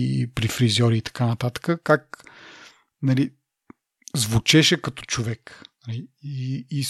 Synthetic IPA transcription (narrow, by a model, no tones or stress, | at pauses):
pɾifɾizɔɾiːt̪ɐ̥kanɐt̪at̪ə̥kəkak | nɐli | zvʊt͡ʃɛʃɛkɐt̪ɔ̥t͡ʃovɛknɐliiːs